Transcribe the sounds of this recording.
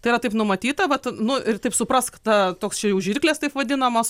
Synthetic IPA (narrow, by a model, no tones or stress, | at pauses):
t̪ɐɪiːɾɐt̪ɐɪpnʊmɐt̪ʲiːt̪ɐʋɐt̪nʊɪrt̪ɐɪpsʊpɾɐskt̪ɐt̪oːkst͡ʃʲɛjuːʒʲirʲklʲest̪ɐɪpʋɐd̪ʲɪnɐmɐs